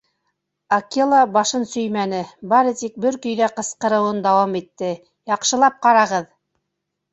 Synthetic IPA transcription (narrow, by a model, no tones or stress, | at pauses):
ɐkilˠabɑʃɤnsɵ̆jmænɘbɑɾɤt̪ik̚bɵɾkɵ̆jðæqɤ̆sqɤ̆ɾɤ̆wɤnd̪ɑwɑmit̪ːɘ | jɑqʃɤ̆lˠɑp̚qɑɾɑʁɤð